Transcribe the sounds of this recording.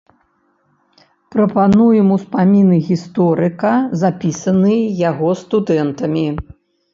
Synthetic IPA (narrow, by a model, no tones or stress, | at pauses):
pɾɐpanujɛmuspamʲinɨɣʲist̪ɔɾɨkɐzapʲisɐnɨjaɣɔst̪ud̪ɛnt̪ɐmʲi